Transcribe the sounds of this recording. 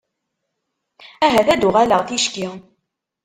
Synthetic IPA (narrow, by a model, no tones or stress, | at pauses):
æɦæðæd̪uʁæləʁθiʃki